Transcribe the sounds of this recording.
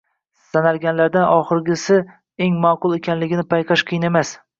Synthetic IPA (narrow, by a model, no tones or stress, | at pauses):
sanalɡʲanlaɾd̪anʔɒχɨɾɡʲɪsɪ | eŋmaqʊlˠe̞kʲʰanlɪɡʲɪnɪpʰajqʰɑʃqʰɨjɪnemas